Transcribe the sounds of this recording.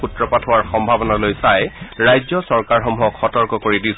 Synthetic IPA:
utɹɔpatʰʊwaɹxɔmbʱabɔnalojsajɹajzɔsɔɹkaɹɦɔmɦɔkʰxɔtɔɹkɔkoɹidis

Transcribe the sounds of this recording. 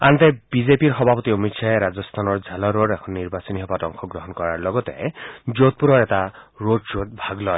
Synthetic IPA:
ant̪ebid͡ʒepiɾɦɔbʱapɔt̪iomit̪sʰaeɾad͡ʒɔst̪ʰanɔɾd͡ʒʱalɔɾoɾekʰɔnːiɾbasiniɦɔbadɔŋkʰɔɡɾɔɦɔnkɔɾaɾlɔɡɔt̪ḛd͡ʒot̪̚puɾɔɾetaɾodsot̪bʱaɡlɔj

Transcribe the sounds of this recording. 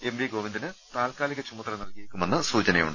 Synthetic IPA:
e̞mriɡoːʋind̪inɨt̪aːlkaːliɣʲɐt͡ɕumːɐt̪ːɐrɐnɐlkijiɾikʲːumenːɨsuːt͡ɕɐnɐjṵɳɖɨ

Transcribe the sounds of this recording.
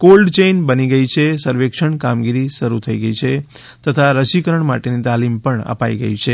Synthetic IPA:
kolɖt͡ʃejnbəniɡəit͡ʃʰesəɾʋekʃəɳkamɡiɾiʃəɾut̪ʰəiɡəit͡ʃʰe | t̪ət̪ʰaɾəʃikəɾəɳma̰ʈenit̪alimpəɳə̰paiɡə̰it͡ʃʰe

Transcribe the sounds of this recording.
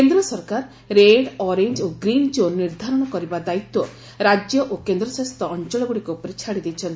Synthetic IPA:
end̪ɾɔsɔɾkaɾ | ɾeɽɔɾeɲd͡ʒoɡɾind͡ʒonːiɾd̪ʱaɾɔɽ̃ɔkɔɾibad̪ait̪wɔ | ɾad͡ʒjɔʔokend̪ɾɔsast̪ɔːnt͡ʃɔlɔɡuɽikuupɔɾet͡ʃʰaɽid̪ejt͡ʃʰɔnt̪i

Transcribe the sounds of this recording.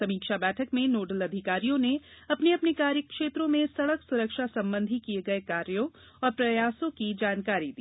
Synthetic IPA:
sɐmiːkʃabɛːʈʰəkmẽnoːɖəlɐd̪ʱɪkaːɾijõneɐpneɐpnekaːɾjəkʃeːt̪ɾõmẽsɐɽəksʊɾəkʃasɐ̃mbə̃nd̪ʱikieɡɐekaːɾjõ | ɔːɾpɾɐjaːsõkid͡ʒaːnkaːɾid̪ḭː

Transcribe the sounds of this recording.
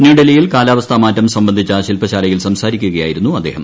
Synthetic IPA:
niːɽɐlɐjilkaːlaːʋɐst̪ʰɐmaːtːɐmsɐmbɐnd̪ʱit͡ɕːaɕilpɐɕaːlɐjilsɐmsaːɾikʲːuɣɐjaːjiɾunːuɐd̪ːḛːhɐm

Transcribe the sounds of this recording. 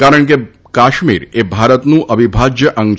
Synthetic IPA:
kaɾəɳk̬e | kaʃmḭɾebʱaɾət̪nũʔəbʱibʱad͡ʒjəʔəŋ

